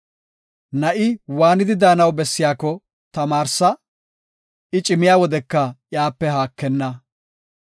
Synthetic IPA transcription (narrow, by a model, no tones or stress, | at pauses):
nɐʔɪwaːnɪd̪ɪd̪aːnɐwbɛsːɪjaːkːɔ | t̪ɐmaːɾsɐ | ɪt͡ʃʼɪmɪjaːwɔd̪ɛkːɐjaːpːɛɦaːkːɛnːɐ